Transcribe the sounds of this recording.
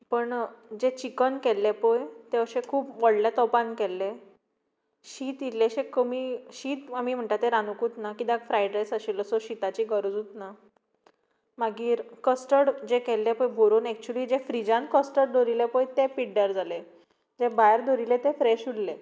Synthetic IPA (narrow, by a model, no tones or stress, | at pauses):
pəɳd͡ʑet͡ɕikənkɛlːepojt̪eəɕẽkʰuːpʋəɽljat̪ɔpankɛlːe | ɕiːt̪ilːeɕẽkəmiːɕiːt̪amiːm̤əɳt̪at̪eɾanukuːt̪nakid̪aɡfɾajɖɾesəɕiləsɔɕit̪at͡ɕiːɡəɾud͡zuːt̪na | maɡiːɾkəsʈəɽd͡ʑekɛlːepəjbʱoɾonɛk̚t͡ɕuəliːd͡ʑefɾid͡ʑãnkəsʈəɽd̪oɾilepojt̪epiɖəɾd͡zale | d͡ʑebajɾd̪oɾilet̪efɾɛɕuɽle